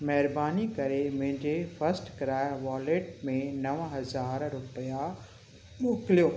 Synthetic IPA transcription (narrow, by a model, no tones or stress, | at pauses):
mɐɦɪɾbaːnikɐɾemʊ̃ɦɪ̃ɲd͡ʑefɐsʈkɾaːʋaːleːʈmẽnɐʋɦɐzaːɾɾʊpəja | ɓoːklijoː